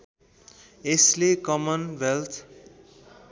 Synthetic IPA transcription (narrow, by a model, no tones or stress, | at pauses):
eslekʌmʌnwelt̪ʰ